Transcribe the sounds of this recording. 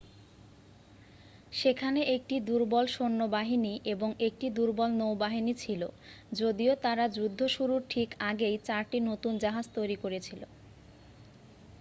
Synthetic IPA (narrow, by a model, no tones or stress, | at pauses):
ʃekʰaneʔek̚ʈid̪uɾbɔlʃonːobaɦiniʔeboŋek̚ʈid̪uɾbɔlnowbaɦinit͡ɕʰilo | d͡ʑod̪iot̪aɾad͡ʑud̪ʱːoʃuɾuɾʈʰikaɡejt͡ɕaɾʈinot̪und͡ʑaɦad͡ʑt̪ojɾikoɾet͡ɕʰilo̰